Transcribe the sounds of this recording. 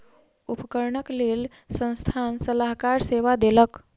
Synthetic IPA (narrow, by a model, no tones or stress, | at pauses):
upəkəɾɳəklel | sə̃nst̪ʰansəlaɦkaɾseʋad̪elək